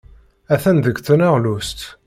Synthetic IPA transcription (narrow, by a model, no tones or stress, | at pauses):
æθænðəɡθənaʁlust̪